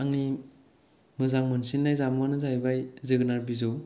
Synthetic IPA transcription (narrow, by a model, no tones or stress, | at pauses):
aŋni | mɯzaŋmɯnsinːajzamwanɯzajbajzɯɡɯnaɾbizow